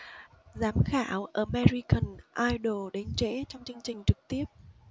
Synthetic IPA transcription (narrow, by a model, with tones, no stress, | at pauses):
zaː˨˦mxaː˧˩wʔəː˧˩mɛ˧zi˧kə˨˩nʔaː˧jɗo˨˩ɗe˨˦nt͡ɕḛ˧˥t͡ɕɔ˧wŋ͡mt͡ɕɨ˧əŋt͡ɕï˨˩ŋ̟t͡ɕɨ˨˩k̚t̪i˦˥əp̚